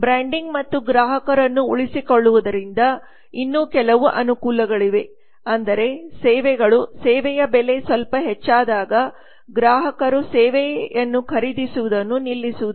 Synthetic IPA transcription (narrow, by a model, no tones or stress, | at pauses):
bɾaːɳɖiŋɡmɐt̪ːuɡɾaːɦɐkɐɾɐnːuuɭisikoɭːuʋud̪ɐɾind̪ɐ | inːuːkɛlɐʋuʔɐnukuːlɐɡɐɭiʋe̞ | ɐnd̪ɐɾe̞sɛːʋɛɡɐɭusɛːʋɛjɐbɛle̞sʋɐlpɐɦɛt͡ʃːaːd̪aːɡɐ | ɡɾaːɦɐkɐɾusɛːʋɛjɐnːukʰɐɾid̪isuʋud̪ɐnːunilːisuʋud̪u